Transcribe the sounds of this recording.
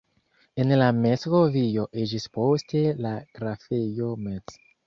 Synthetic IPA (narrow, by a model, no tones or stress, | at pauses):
e̞nlameskovijo̞ʔed͡ʒispo̞ste̞laɡ̥ɾafejo̞met͡s